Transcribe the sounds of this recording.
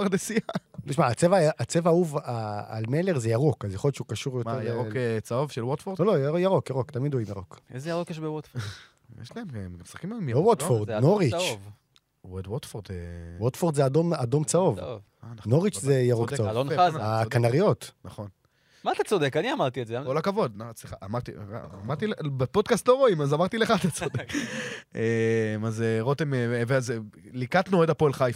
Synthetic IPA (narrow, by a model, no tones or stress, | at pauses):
aʁd̪esialiʃmaːt͡sevaʔat͡sevaauvaa̰lmeleʁzejaʁokazjaχolett͡ʃukaʃuʁjoejokt͡saovʃelwot̪fodolojjaʁokjaʁokt̪amid̪oimjaʁokezejaʁokjeʃbewot̪fo | jɛ̰ʃlaemmmisχḁkimalmibewot̪foʁdnoʁit͡ʃv | wed̪wot̪foʁd̪ewot̪foʁd̪zead̪omad̪o̞mt͡saov | ananoʁit͡ʃzejaʁoɡsaolonnakanaʁijo̞t̪naχo̞n | mat̪at͡sod̪ekaniamaʁt̪iezeakolakavo̞d̪nat͡sliχaʔamaʁt̪ḭamaʁt̪ilbepo̞d̪kastlo̞ʁo̞imazamaʁt̪ile̞χaːt̪at͡sod̪ek | emazeʁot̪emeeveazelikat̪nued̪apoelχajf